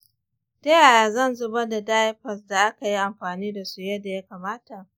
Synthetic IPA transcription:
de˦a˨jaː˨zɐ˦˨nzʊ˦bɐ˦da˨daː˦jɸɐ˨sda˨ʔa˦ka˨ji˦ʔa˨mɸaː˨niː˦da˨su˦jɐ˦da˨ja˦kaː˨maː˦ta˨ʔ

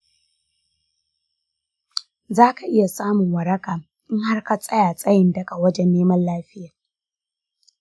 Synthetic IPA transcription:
zaː˦ka˨ʔɪ˦ja˨saː˦mʊ˨ŋwɐ˨ɾɐ˦kaː˨ | ʔɪ˦ŋha˦rka˨sʼɐ˦jaː˨sʼɐ˦jɪ˨ndɐ˦ka˨wɐ˦d͡ʒɛ˦nːeː˦mɐ˦nlaː˦ɸɪ˦jaː˨

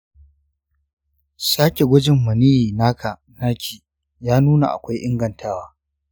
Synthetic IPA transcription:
saː˦kʲe˨ɡʷʊ˦d͡ʒɪ˦˨mːɐ˨niː˦ji˨naː˦kʰa˨ | naː˦kʲʰiː˨ | jaː˦nuː˦na̰˨ʔa̰˨kʷa˦jʔɪ˦ŋɡɐ˨ntʰaː˦waː˦

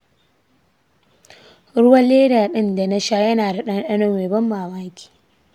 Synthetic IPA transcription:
ɽʊ˦wɐ˦leː˦daː˨ɗɪ˦nda˨nɐ˦ʃaː˦jɐ˦naː˨da˨ɗɐ˦n˦ɗɐ˦nʊ˦weː˨bɐ˦mːaː˨maː˦kʲi̥ː˨

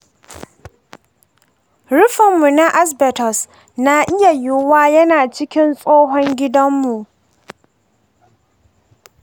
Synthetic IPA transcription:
ɽʊ˦ɸɪ˨mːu˨na˦ʔa˦s̬bɛ˨tɔ˨s | na˦ʔɪ˦ja˨jɪ˦waː˦jɐ˦naː˨t͡ʃɪ˦kʲɪ˦nsʼoː˦ɦɔ˦ŋɡʲɪ˦dɐ˦mːu˨ʔ

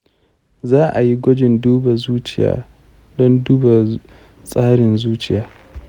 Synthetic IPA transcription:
zaː˦ʔa˨ji˦ɡʷɔ˦d͡ʒɪ˨nduː˦ba˨zuː˦t͡ʃɪ˦˨ja̰ː˨˦ | dɔ˦nduː˦ba˨ | sʼaː˦ɽɪ˨nzuː˦t͡ʃɪ˦˨jaː˨˦

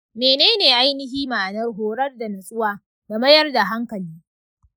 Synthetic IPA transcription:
meː˨neː˦neː˨ʔa˦jnɪ˦ɦiː˦maː˨ʔa˨nɐ˦rɦoː˨ɽɐ˦rda˨nɐ˨sʼʊ˦waː˨ | da˨mɐ˦jɐ˦rda˨ɦa˦ŋkɐ˨liː˦

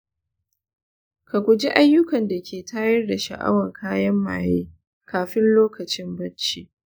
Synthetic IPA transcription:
ka˨kʷʊ˨d͡ʒi˦ʔa˦jːʊ˦kɐ˨nda˨kʲʰeː˨tʰaː˦jɐ˦rda˨ʃa̰˨ʔa̰˦wɐ˨ŋkʰaː˦jɐ˦mːa̰ː˨jeː˦ | kʰaː˨ɸɪ˦nloː˦kɐ˨t͡ʃɪ˦mbɐ˦t͡ʃiː˦

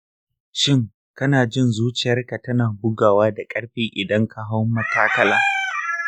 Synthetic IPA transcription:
ʃɪ˦˨ŋ | kɐ˦naː˨d͡ʒɪ˦˨nzuː˦t͡ʃɪ˨jɐ˦rka˨tɐ˦naː˨bʊ˦ɡaː˨waː˦da˨kʼɐ˦ɽɸiː˦ʔɪ˨dɐ˦ŋkʰa˨ɦa˦wmːɐ˦taː˦kɐ˦laː˦

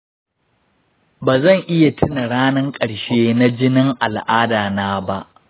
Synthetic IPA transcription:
baː˨zɐ˦˨ŋʔɪ˦ja˨tɪ˦na˨ɽaː˦nɐ˦ŋkʼɐ˨ɽʃeː˦na˦d͡ʒɪ˦nɪ˦ŋʔa˨lʔaː˦daː˨naː˦ba˦ʔ

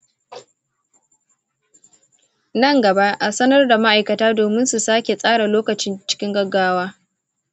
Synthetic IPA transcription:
nɐ˦˨ŋɡɐ˨ba˦ʔʔa˨sɐ˦nɐ˦rda˨ma˦ʔa˨jkɐ˨taː˦doː˨mɪ˦nsu˨saː˦kʲe˨sʼaː˦ɽa˨loː˦kɐ˨t͡ʃɪ˦nt͡ʃɪ̥˦kʲɪ˦ŋɡɐ˦ɡːaː˦waː˦

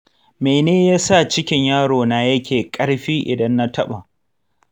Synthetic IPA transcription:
meː˨neː˦jaː˦sa˦˨t͡ʃɪ˦kʲɪ˦ɲjaː˦ɽoː˨naː˨jɐ˦kʲeː˨kʼɐ˦ɽɸiː˦ʔɪ̰˨dɐ˦nːa˦tʰɐ˦ɓa˨ʔ

